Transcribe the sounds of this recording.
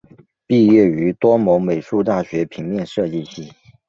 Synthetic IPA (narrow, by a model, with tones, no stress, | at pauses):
pi˥˧ɥɛ˥˩y˧˥t̪wɔ˥mo˧˥ŋme˨˩ɪʂu˥˧t̪a˥˩ɕɥɛ˧˥pʰi˧˥ŋmjɛ˥˧nʂɤ˥˧t͡ɕi˥˧ɕi˥˩